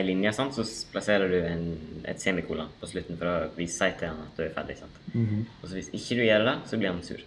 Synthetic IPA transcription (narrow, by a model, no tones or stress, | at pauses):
ɪlɪnjəsɑnt̪sɔpʰlɑseːɾəɖʉɛnɛ̰t̪seːmɪkʰuːlɑpʰɔslʉt̪ːn̩fɔɾɔʋiːssɑɪt̪ʰəɑnɑt̪̚d̪ʉæɾfæ̰ɖ̪ɪ̰sɑnt̪ɔsɔʋɪsɪçːəd̪ʉjɛːɾəɖɛsɔblɪːɾhɑnsʉ̰ːɾ